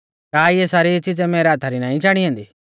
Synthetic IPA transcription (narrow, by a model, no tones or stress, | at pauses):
kaːiesaːɾit͡ʃid͡zɛmeːɾaːt̪ʰaɾinãːĩt͡ʃaːɽ̃iɦẽːnd̪iː